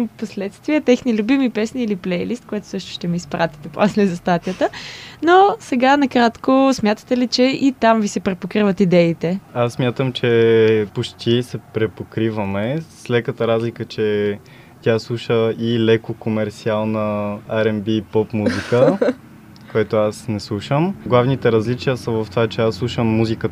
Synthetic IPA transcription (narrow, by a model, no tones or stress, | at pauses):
poslɛt̪st̪viɛt̪ɛxnilʲʊbimipɛsniːliplɛjlist̪̚koɛt̪ʊ̥sɤʃt̪ʊ̥ʃt̪ɛmiːspɾat̪i̥t̪ɛpo̰slɛzɐst̪at̪ijət̪ənosɛɡanɐkɾat̪kosmʲjat̪ə̥t̪ɛlit͡ʃɛʔit̪amvisɛpɾɛpokɾivət̪id̪ɛit̪ɛasːmʲjat̪əmt͡ʃɛpot͡ʃt̪ʰisɛpɾɛpokɾivɐmɛslɛkət̪əɾazlikət͡ʃɛ | t̪ʲjaslˠuʃəilɛkokomɛɾt̪sialˠnəaɾɛmbipɔpmuzikə | koɛt̪oasnɛslˠuʃəmɡlˠavnit̪ɛɾɐzlit͡ʃijəsəvɐft̪ovat͡ʃɛasːlˠuʃəmːuzikə